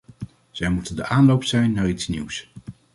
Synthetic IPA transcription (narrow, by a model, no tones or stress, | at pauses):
z̥ɛjmutəndəʔaːnlowpsɛjnːaːritsnḭws